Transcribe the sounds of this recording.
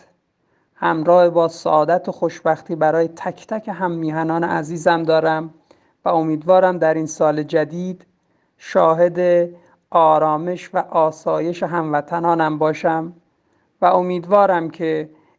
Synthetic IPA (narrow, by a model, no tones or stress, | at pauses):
hæmɾɒːhebɒːsæ̰ʔɒːd̪æt̪ʰoxoʃbæxt̪ʰiːbæɾɒːjet̪ʰækʰt̪ʰæcʰe̞ɦæmːiːhænɒːneʔæziːzæmd̪ɒːɾæm | væo̞miːd̪vɒːɾæmd̪æɾiːnsɒːle̞d͡ʒæd̪iːd̪ | ʃɒːɦe̞d̪e | ɒːɾɒːme̞ʃvæʔɒːsɒːje̞ʃeɦæmvæt̪ʰænɒːnæmbɒːʃæm | væo̞miːd̪vɒːɾæmcʰe